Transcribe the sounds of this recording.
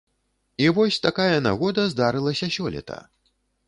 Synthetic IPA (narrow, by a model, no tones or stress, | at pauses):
ivɔsʲt̪akajɐna̰ɣɔd̪ɐzd̪aɾɨlˠɐsʲɐsʲɔlʲɛ̰t̪ʰɐ̰